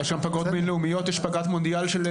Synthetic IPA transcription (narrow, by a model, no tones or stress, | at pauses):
ɛʃɡampɐɡot̪menleumijot̪ɛʃpɐɡat̪mõnd̪ialʃel